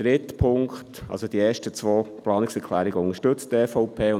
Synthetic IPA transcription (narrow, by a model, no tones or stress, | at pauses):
ɾɪt̪pʰʊŋktʔɑ̰lsod̥iɛːʃtət͡sʋoːplɑːnɪksɛɾkʰlæːɾiɡəʊŋəʃtɵt͡stɛfɔʊpʰeːʊ